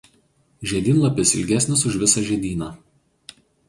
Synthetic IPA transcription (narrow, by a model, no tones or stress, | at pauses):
ʒʲɛd̪ʲɪnlˠɐpʲɪsɪlʲɡʲæsʲnʲɪs̬ʊʃʲʋʲɪsɐʒʲɛd̪ʲiːnɑː